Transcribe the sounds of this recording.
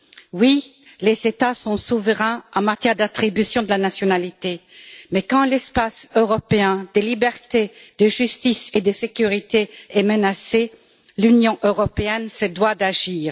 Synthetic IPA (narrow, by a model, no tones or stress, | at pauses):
wi | lezet̪asɔ̃suvəʁɛ̃ɑ̃mat̪jɛʁd̪at̪χibysjɔ̃d̪əlanasjɔnalit̪emɛkɑ̃lɛspasøʁɔpeɛ̃d̪̥əlibɛʁt̪ed̪̥əʒyst̪ised̪əsekʲyʁit̪eɛmənase | lynjɔ̃ʔøʁɔpeɛnsəd̪wad̪aʒiːʁ